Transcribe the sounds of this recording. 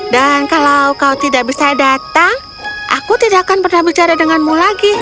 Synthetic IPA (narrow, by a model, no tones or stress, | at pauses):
dankalawkalawt̪idaʔ̚bisadat̪aŋ | ʔa̰kut̪idaʔkanpərnahbit͡ʃaɾadəŋanmulaɡi